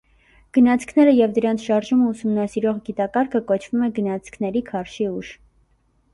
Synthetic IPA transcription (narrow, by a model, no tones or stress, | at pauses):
ɡ̥ənɑt͡sʰkʰnɛɾəjɛvd̪əɾɑnt͡sʰʃɑɾʒuməusumnɑsiɾɔʁɡit̪ɑkɑɾkʰəkɔt͡ʃʰv̥umɛɡənɑt͡sʰkʰnɛɾikʰɑɾʃiuʒ